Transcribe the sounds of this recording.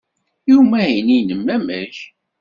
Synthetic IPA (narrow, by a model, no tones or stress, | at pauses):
jumæjəninəmːæmə̰ɾç